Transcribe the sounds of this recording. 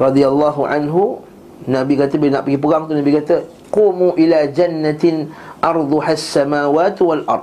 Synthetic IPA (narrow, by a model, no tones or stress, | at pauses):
ɾˤɑd̪ialːɑɦuʕa̰nɦu | nãbikat̪əbilnaʔpəɡipəɣaŋt̪unãbikat̪ə | quːmuʔilad͡ʒanːat̪nʔɑɾˤd̪ˤʊhasːamaːwaːt̪walʔɑ̰rˤd̪̚